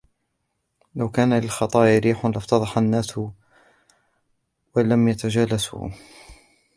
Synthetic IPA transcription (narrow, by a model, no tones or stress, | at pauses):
lawkaːnalɪlxɑt̪ˤɑːʔɾiːħʊnlɪft̪ɑðˤɑħanːaːsʊ | walamjat̪ad͡ʒaːlasṵ